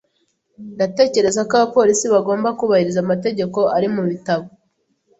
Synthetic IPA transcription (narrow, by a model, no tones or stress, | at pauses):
ndate̞ːce̞ɾe̞zakaβapo̞ːɾisiβaɡo̞ːmbakuβahiɾizamate̞ɟe̞ko̞aɾimuβitaβo